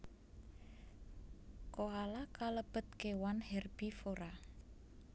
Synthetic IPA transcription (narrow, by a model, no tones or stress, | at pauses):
koalakaləb̥ə̤t̪̚kewanhɛrb̥ifoɾa